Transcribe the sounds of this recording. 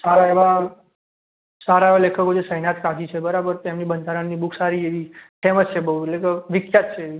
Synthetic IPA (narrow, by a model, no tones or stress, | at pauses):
saɾaeʋa | saɾaeʋalekʰəkod͡ʒesəɦnat̪kad͡ʒit͡ʃʰebəɾabəɾt̪emnibənd̪ʱaɾəɳnibukʰsaɾieʋiʈʰemət͡ʃt͡ʃʰebəɦuelekəʋikjat̪t͡ʃʰeʋi